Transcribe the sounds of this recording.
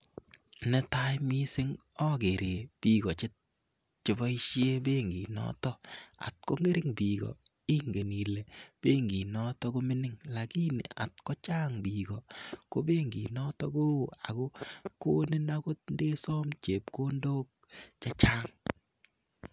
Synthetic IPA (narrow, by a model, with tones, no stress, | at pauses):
nɛ˦ta˦jmi˦sɪ˦ŋ | ɔ˦ke˨ɾʔe˨pi˨kɔ˨t͡ʃɪ˦t | t͡ʃɪ˨bɔ˦i˦ʃje˦be˦ŋɡi˨nɔ̰˦tɔ˦a̰˨t̚ko˦ŋe˦ɾɪ˦ŋbi˨ɡɔ̰˨ | i˦ŋɡe˨ni˨le˨b̥e˦ŋɡi˨nɔ˦tɔ˦ko˦mi˦nɪ˦ŋla˨ki˦n̰˨a̰˨t̚kɔ˦t͡ʃa˦ŋbi˨ɡɔ˨ko˦be˦ŋɡḭ˨nɔ˦tɔ˦ko˦a̰˨ko˦ko˦ni˦na˦ko˦t̚nde˦sɔ˦mt͡ʃe˨p̚ko˦ndo˦k̚t͡ʃa˦t͡ʃa˦ŋ